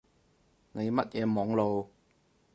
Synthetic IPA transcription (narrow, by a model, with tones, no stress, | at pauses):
ne˨˧jmɐ˥t̚jɛː˨˧mɔː˨˧ŋlo˨w